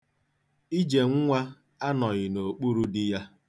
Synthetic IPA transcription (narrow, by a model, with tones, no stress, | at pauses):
i˦d͡ʒe˨ŋ̩˦ŋʷa˦ | a˦nɔ˨ɣɪ˨no˨k͡pu˦ɾu˦dɪ˦ja˦